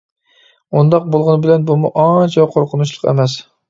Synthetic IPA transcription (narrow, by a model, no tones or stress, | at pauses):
und̪ɑq̚bolˠʁʊnɨbɪlɛnbumuʔɑnt͡ʃʰɛqʰoɾqʰʊnuʃlˠəqḛmɛs